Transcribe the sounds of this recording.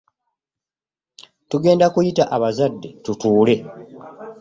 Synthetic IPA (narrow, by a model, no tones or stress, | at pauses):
tuɡe̞ːndakujitaʔaβazadːe̞tutuːle̞